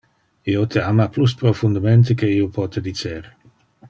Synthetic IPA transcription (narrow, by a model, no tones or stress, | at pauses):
iot̪ʰeamaplus̬pɾofund̪ament̪̬ekeiːopʰɔːt̪ed̪it͡seɾ